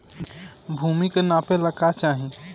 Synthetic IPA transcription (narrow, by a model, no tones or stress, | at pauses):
bʱuːmikenapeləkat͡ʃaːɦĩ